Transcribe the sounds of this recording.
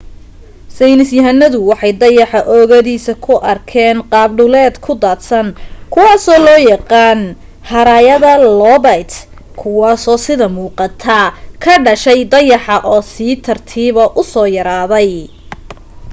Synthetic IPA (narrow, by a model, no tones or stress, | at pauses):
sɛjnɪsjɐɦɐnɐðʊwɑħɑjd̪ɐjɑħɑʔɔːɣɐðiːsɐkʰʊʔɐrkʰɛːnqɑːbɖʊlɛːd̪kʰʊd̪aːt̪sɐnkʰʊwɑːsɔːlɔːjɑqɑːn | hɐɾaːjɐðɐlɔbɐjt̪ | kʰʊwɑːsɔːsɪðɐmuːqɑt̪ʰɐkʰɐɖɐʃɛjd̪ɐjɑħɑʔɔːsiːt̪ʰɐrt̪ʰiːβɐʔʊsɔːjɐɾaːðɛj